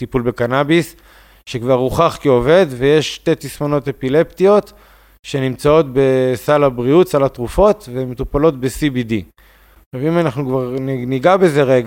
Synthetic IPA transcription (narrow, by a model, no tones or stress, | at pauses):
tipulbe̞kanabis | ʃekvaʁuχaχkio̞ve̞d̪veje̞ʃt̪e̞t̪ismono̞te̞pile̞ptijo̞t̪ | ʃe̞nimt͡sao̞t̪be̞salabʁiutsalat̪ʁufo̞t̪vemet̪upalo̞t̪̚be̞sibidi | ʃavimanaχnukvaʁniniɡabe̞ze̞ʁeɡa